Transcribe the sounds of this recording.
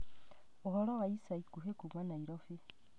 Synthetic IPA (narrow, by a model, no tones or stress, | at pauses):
oholoɣaisaikuɦekumwanaiɾofi